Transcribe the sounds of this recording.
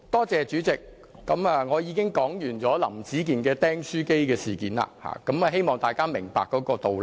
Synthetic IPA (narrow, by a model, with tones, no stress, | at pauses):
t̪ɔː˥t͡sɛː˨t͡ʃyː˨˥t͡sɪ˨k̚ː | ɐ˨˥maː˨ŋɔː˨˧jiː˨˧kɪ˥ŋkɔː˨˥ŋjyː˨˩nt͡sɔː˨˥lɐ̰˨˩mt͡siː˨˥k̬iː˨nkɛː˧t̪ɛː˥ŋsyː˥ke˥jkɛː˧siː˨˩kiː˨˥nla̰ː˧ha̰ː˨kɐ˨˥mɐ˨ɦe˥jmɔː˨ŋt̪aː˨jkaː˥mɪ˨˩ŋpa̰ː˨kːɔː˨˥kɔː˧t̪o˨w